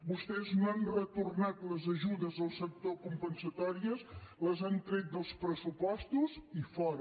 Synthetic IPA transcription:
bust̪ɛznoanrət̪urnat̪ləzəʒuðəzðəlˠsək̚t̪okumpənsət̪ɔɾiəsləzant̪ɾet̪̚d̪əlˠspɾəsupɔst̪uzifɔɾə

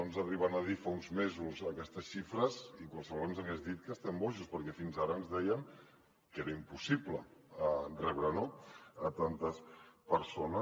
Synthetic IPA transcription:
onzəriβanəð̞ifaunzmezuzəkɛst̪əsʃifɾəzikwalˠsəβlenzəɣɛzðit̪̚kəst̪ɛmbɔʃuspəɾkɛfinzaɾəːnzðɛjəŋ | keɾəimpusipləərrɛβɾənoːt̪ant̪əspəɾsonə

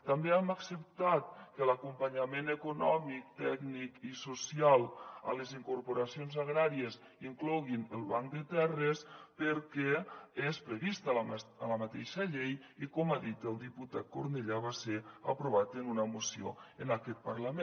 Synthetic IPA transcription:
t̪ambeɛmaksəp̚t̪at̪̚kəlakumpaɲamenəkunɔmik̚t̪ɛɡnikisusialˠə̰ləziŋkuɾpuɾasionzaɣ̞ɾaɾiəz | iŋklɔɣinəlˠβaŋd̪ət̪ɛrəspəɾkɛespɾəβist̪əlmələmat̪eʃəʎejikɔmaðit̪əlˠd̪iput̪at̪̚koɾneʎaβ̞aseapɾuβ̞at̪ənunəmusio̰ənakɛt̪̚paɾləmen

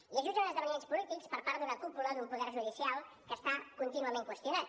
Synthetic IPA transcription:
iəʒud̪əunəzðəβənienspulit̪ikspəɾpaɾt̪əðəkupulad̪umpuðɛɾʒuðisialˠ | kəst̪akunt̪inuəmẽŋkwəst̪junat̪

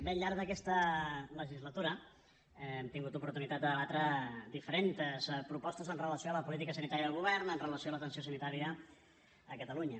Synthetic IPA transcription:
beɲʎːaɾɡðəkɛst̪ələʒizlət̪uɾə | ɛmt̪iŋɡut̪upuɾt̪unit̪at̪̚d̪əðəβat̪ɾəd̪ifəɾent̪əspɾupɔst̪əzənrələsioaləpulit̪ikəsənit̪aɾjəðəlˠɣuβɛrnənrələsioalət̪ənsiosənit̪aɾiəː | kət̪əluɲə

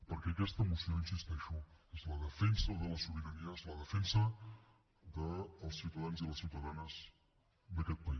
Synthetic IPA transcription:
pəɾkɛəkɛst̪əːmusioinsist̪ɛʃuezləðəfɛnsəðələsuβiɾəniəezləðəfɛnsə | ðəːlˠsiwt̪əð̞anziləsiwt̪əðanəz̥ | d̪əkɛt̪̚pəi

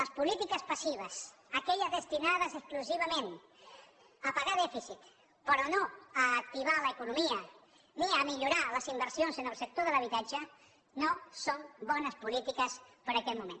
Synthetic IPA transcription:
ləspulit̪ikəspasiβ̞əsəkɛʎəzðəst̪inaðəzəskluziβəmẽn | əpaɣaðɛfisit̪ | pəɾɔnoəːk̚t̪iβaləːkunumiə | niəmiʎuɾaləzimbəɾsionzənəlˠsək̚t̪oðələβ̞it̪ad͡ʒə | nosombɔnəspulit̪ikəspəɾəkɛt̪mumen

